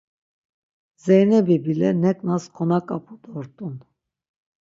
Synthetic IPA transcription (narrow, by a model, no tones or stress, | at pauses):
zɛjnɛbibilɛnɛkʼnaskʰɔnakʼapʼud̪ɔɾt̪ʼun